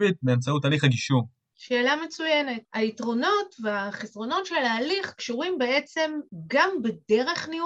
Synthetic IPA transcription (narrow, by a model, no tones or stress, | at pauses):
it̪̚meamt͡sautaːliχaɡiʃu | ʃe̞ːlame̞t͡sujene̞taitʁo̞no̞tveaχesʁo̞no̞tʃe̞laːliχkʃuʁimbe̞et͡se̞mɡambede̞ʁe̞χniu